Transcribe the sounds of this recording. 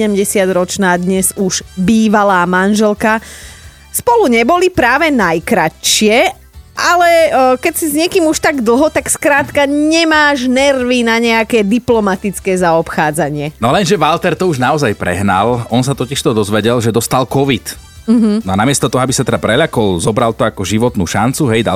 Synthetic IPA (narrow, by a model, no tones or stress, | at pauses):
ɛɛmɟɛsɪad̪ɾɔt͡ʃnaːd̪ɲɛzuʒ̥biːʋalaːmanʒɛlka | spɔluɲɛbɔlipɾaːʋɛnajkɾaʃɪɛ | ʔalɛkɛcsizɲɪɛkiːmuʃt̪aɡd̪l̩ˠɦɔt̪akskɾaːt̪kaɲɛmaːʒnɛrʋinaɲɛakɛːd̪iplɔmat̪it͡skɛːzaɔpxaːd͡zaɲɪɛnɔlɛnʒɛʋalt̪ɛɾt̪ɔuʒnaɔzajpɾɛ̰ɦna̰lɔnsat̪ɔciʃt̪ɔd̪ɔzʋɛɟɛlʒɛd̪ɔst̪alkɔʋit̪̩ | ɦ̩nɔanamɪɛst̪ɔt̪ɔɦɔabisat̪ɛd̪apɾɛʎakɔlzɔbɾalt̪ɔakɔʒiʋɔt̪nuːʃa̰nt͡suɦɛjɟa